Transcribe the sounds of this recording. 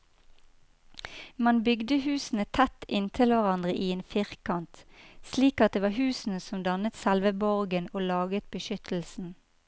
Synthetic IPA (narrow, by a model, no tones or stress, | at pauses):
mɑnbʏɡd̪əhʉːsn̩ət̪ʰæt̪ʔɪnt̪ʰɪlʋæʁɑnd̪ʁəʔiːeːnfɪʁkʰɑnt̪sliːkɑt̪̚d̪eːʋɑːhʉːsn̩əsɔmd̪ɑnət̪sɛlʋəbɔʁɡənoːlɑːɡət̪̚bəʃʏt̪ʰl̩sn̩